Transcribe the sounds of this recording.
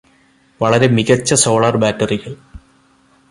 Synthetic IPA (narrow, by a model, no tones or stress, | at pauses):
ʋɐɭɐɾe̞miɣɐt͡ɕːɐso̞ːɭɐrbaːtːɐriɣɐɭ